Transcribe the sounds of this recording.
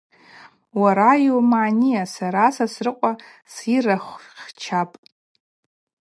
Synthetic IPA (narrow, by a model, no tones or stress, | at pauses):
waɾajumaːnijasaɾasasrɨqʷʼa | siraχʷχt͡ʃʰapʼ